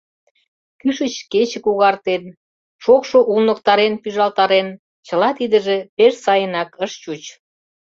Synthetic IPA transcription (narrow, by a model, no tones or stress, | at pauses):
kyʃət͡ɕket͡ɕə̆kuɣɑrt̪en | ʃokʃoʔulnək̚t̪ɑɾenpyʒɑlt̪ɑɾen | t͡ɕə̆lɑt̪id̪əʒepeʃsɑjənɑkəʃt͡ɕut͡ɕ